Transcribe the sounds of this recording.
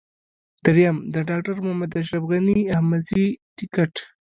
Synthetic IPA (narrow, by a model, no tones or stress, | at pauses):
d̪̥aɾjamd̪əɖɑk̚ʈaɾmʊhmad̪aʃ̬ɾafɣaniahmaziʈɪkaʈ